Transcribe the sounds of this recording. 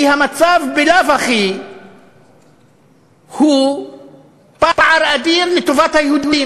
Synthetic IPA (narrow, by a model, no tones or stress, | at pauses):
ihamat͡savbelavaχi | hu | papaʕaɾad̪iʁlet̪o̞vat̪hajehud̪i